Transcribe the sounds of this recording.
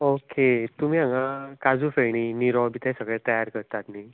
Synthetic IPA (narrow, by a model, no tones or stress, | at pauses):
oket̪um̤iːãŋãkad͡zuːfeɳiniɾɔbit̪ʰɛ̃səɡɭɛ̃t̪əjaɾkəɾt̪at̪ni